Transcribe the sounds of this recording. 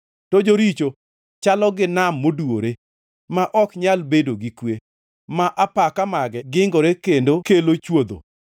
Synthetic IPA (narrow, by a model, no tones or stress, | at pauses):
tod͡ʒoɾit͡ʃo | t͡ʃalɔɡɪnamːoduoɾe | maʔɔkɲalbedoɡikwe | maʔapakamaɡɛɡɪŋɡoɾekendokelot͡ʃwod̪o̰